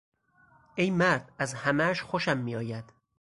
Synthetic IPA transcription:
e̞jmæɾd̪æzhæmæʃxoʃæmːiːɒːjæd̪̥

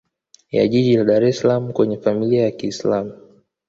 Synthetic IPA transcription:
ja̰ʄiʄilaɗaɾɛsalamukwɛɲɛfamiliajakiːslamu

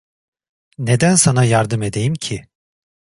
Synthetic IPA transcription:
ne̞d̪ænsanajaɾd̪ɯme̞d̪e̞jimcʰi

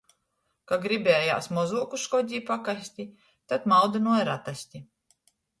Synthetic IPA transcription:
kaɡɾibʲeːja̰ːsmɔzuɔkusʃkɔd̪ʲiːpakasʲt̪ʲi | t̪at̪mawd̪anuɔjɾat̪asʲt̪ʲi

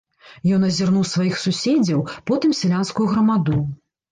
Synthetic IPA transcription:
jɔn̪ɐzʲirnuwsvajixsusʲed͡zʲɐwpɔt̪ɨmsʲlʲanskujuɣɾɐmad̪u

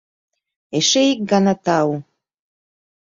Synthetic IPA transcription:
eʃeik̚ɡɑnɑt̪ɑu

